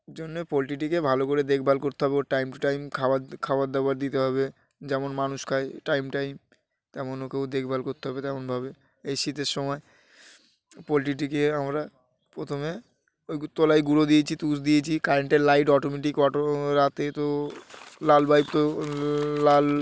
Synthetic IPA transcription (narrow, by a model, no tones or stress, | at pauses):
d͡ʑonːepɔlʈiʈ̬ikebʱalokoɾed̪ekʰbʱalkoɾt̪eɦɔbeoɾʈajmʈajmkʰaakʰawaɾd̪abaɾd̪it̪eɦɔbe | d͡ʑɛmonmanuʃkʰajʈajmʈajm | t̪ɛmonokewd̪ekʰbʱalkoɾt̪eɦɔbet̪ɛmonbʱabe | ejʃit̪eɾʃɔmɔe | polʈiʈ̬ikeamɾa | pɾot̪ʰome | ojt̪olajɡuɾod̪iet͡ɕʰit̪usd̪ijet͡ɕʰikaɾeɳʈeɾlajʈɔʈomeʈikɔoɾat̪et̪o | lalbʱajbt̪oː | al